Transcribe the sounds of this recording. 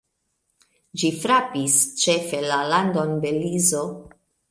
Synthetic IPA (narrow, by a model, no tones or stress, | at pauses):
d͡ʒifɾapist͡ʃefe̞laland̪onbelizo